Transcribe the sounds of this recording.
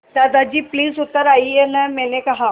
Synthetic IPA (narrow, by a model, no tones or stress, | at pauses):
t̪ad̪ad͡ʑiːpliːzut̪ːəɾaienəmelekaɦa